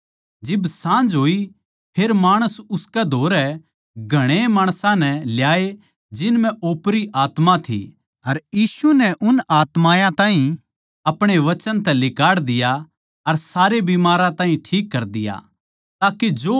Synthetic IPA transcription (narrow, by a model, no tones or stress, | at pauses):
d͡ʒɪbsãːnd͡ʒɦoːi | pʰeːɾmaːɽ̃əsʊskɛd̪ʱoːɾɛ | ɡʱɐɽ̃emaːɽ̃sãnɛljaːe | d͡ʒɪnmɛ̃ʔoːpɾiʔaːt̪mãt̪ʰḭ | ɐɾjiːsunɛʔʊnaːt̪maːjãt̪ãːɦĩ | ɐpɽ̃eʋɐt͡ʃənt̪ɛ̃lɪkaːɽd̪ɪja | ɐɾsaːɾebimaːɾãt̪ãːɦĩʈʰiːkːɐɾd̪ɪja̰ | t̪aːked͡ʒoː